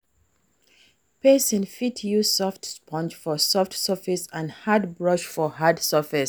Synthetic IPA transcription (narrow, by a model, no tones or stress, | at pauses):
pesĩnfitʰjusɔftspʰɔ̃nd͡ʒfɔsɔftsəfisãnhadbɹɔʃfɔɦadsəfis